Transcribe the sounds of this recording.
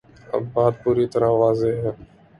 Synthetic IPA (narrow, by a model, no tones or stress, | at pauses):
ə̰bːaːt̪̚puːɾiːt̪əɾãːʋaːzeːɦɦɛː